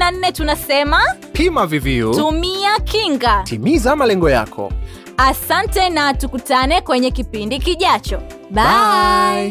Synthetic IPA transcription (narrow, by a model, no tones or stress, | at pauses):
nan̩ːɛtunasɛma | pʰimaviviutumiakʰiŋɡatimizamalɛŋɡɔja̰kʰɔ̰ | asantɛnatukutanɛkwɛɲɛkipindikiʄat͡ʃɔ | ɓa